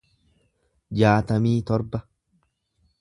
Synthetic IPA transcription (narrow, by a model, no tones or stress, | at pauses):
d͡ʒaːt̪ɐmiːt̪ɔɾbɐ